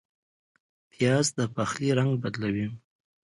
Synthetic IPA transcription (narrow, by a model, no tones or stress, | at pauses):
p̪ʰjɑzd̪əpaxliɾaŋɡ̚bad̪lawi